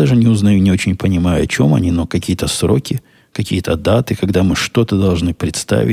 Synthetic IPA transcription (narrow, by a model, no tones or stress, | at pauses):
d̪aʐɨnʲɪʊznɐjunʲɪo̞t͡ɕɪnʲpənʲɪmajʊɐ̰t͡ɕo̞mɐ̰nʲinokɐkʲijət̪əsɾo̞̰kʲɪ | kɐkʲḭjət̪əd̪at̪ɨkɐɡd̪amɨʂt̪o̞t̪əd̪ɐlˠʐnɨpɾʲɪt̪st̪a̰vʲɪ